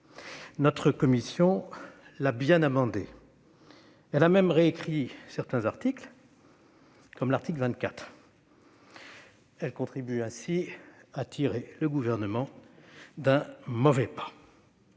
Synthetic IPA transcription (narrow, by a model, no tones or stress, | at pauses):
nɔt̪χəkɔmisjɔ̃labjɛ̃namɑ̃d̪e | ɛlamɛmʁeekχisɛʁt̪ɛ̃zaʁt̪ikl | kɔmlaʁt̪iklvɛ̃t̪̚kat̪χ | ɛlkɔ̃t̪χibyɛ̃siat̪ʰiʁeləɡuvɛʁnəmɑ̃ | d̪ɛ̃mɔvɛpḁ